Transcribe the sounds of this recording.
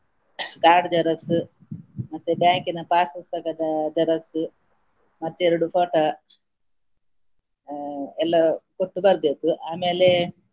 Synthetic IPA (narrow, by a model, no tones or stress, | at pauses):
ɡaːɾɖd͡ʒɐɾɐksɨ | mɐt̪ːebaːŋkinɐpaːskɐst̪ɐkɐd̪ad͡ʒɐɾɐksɨ | mɐt̪ːeɾiɽufʰoːʈɐ | elɐkoʈːubɐɾd̪et̪uʔaːmele